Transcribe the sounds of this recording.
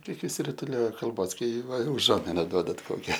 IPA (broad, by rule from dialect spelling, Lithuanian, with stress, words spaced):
ˈkʲiɛk ɪʃʲsʲɪrʲɪtʊˈlʲoːjoː kɐlˠˈboːs ˈkɐɪ ˈʋɐ ʊˈʒuɔmʲɪnɐ ˈduɔdɐt ˈkoːkʲɛ